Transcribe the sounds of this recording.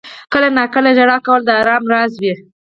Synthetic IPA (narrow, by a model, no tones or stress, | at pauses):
kəlanɑkəlad͡ʒaɽɑkawəld̪əaɾɑmɾɑzwi